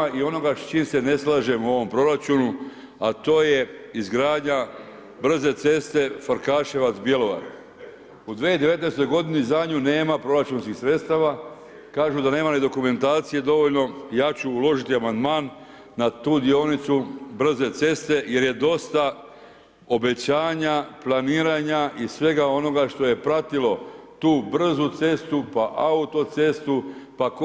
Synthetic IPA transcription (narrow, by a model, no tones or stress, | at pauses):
io̞no̞ɡat͡ʃiːmse̞ne̞slˠaːʒe̞muo̞ʋo̞mpɾo̞ɾat͡ʃunu | at̪o̞ːje̞izɡɾaːd̪ɲa | br̩ze̞t̪se̞st̪e̞foɾkaːʃeʋat̪zsbje̞lo̞ʋa̰t̪ | ud̪ʋed̪eʋe̞t̪neːst̪o̞jɡo̞d̪inizad̪ɲune̞ːmapɾo̞ɾat͡ʃunskixsɾe̞t̪st̪aʋa | kaːʒud̪ane̞ːmanid̪o̞kume̞nt̪aːt̪sije̞d̪o̞ʋo̞ʎno̞jaːt͡ɕuːlo̞ʒit̪iamand̪maːnː | at̪uːd̪io̞nit̪subr̩ze̞t̪se̞st̪e̞je̞ɾje̞d̪o̞st̪a | o̞be̞t͡ɕaːɲaplˠaniːɾaːɲaʔisʋe̞ɡao̞no̞ɡaʃt̪o̞je̞pɾat̪ilo̞t̪uːbr̩zut̪se̞st̪upaʔaut̪o̞t̪se̞st̪upak